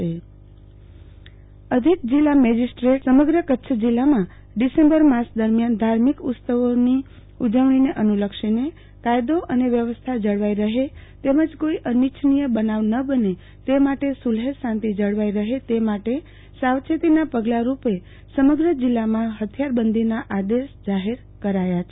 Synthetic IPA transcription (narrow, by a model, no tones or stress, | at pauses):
e | əd̪ʱik̚d͡ʒilːamɛd͡ʒisʈɾeʈsəməɡɾəkətːʃʰəd͡ʒilːamã | ɖisẽmbəɾmãsd̪əɾmjand̪ʱaɾmikʊt̪səʋoni | ud͡ʒəʋɳ̃ineʔənuləkʃine | kajd̪oʔəneʋjəʋəst̪ʰad͡ʒəɭʋaiɾəɦet̪eməd͡ʒkoiʔənit͡ʃʰnijəbənaʋnəbəne | t̪emaʈesulɦesãnt̪id͡ʒəɽʋaiɾəɦet̪emaʈe | sawt͡ʃʰet̪inapəɡlaɾupe | səməɡɾəd͡ʒilːamãɦət̪ʰjaɾbənd̪ʱinaʔad̪eʃd͡ʒaɦeɾ | kəɾajat͡ʃʰe